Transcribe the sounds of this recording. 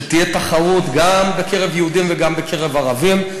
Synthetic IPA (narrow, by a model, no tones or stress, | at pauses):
t̪ijet̪aχaʁut̪ɡambekʰe̞ʁevjeud̪imveɡambekʰeʁevaʁavim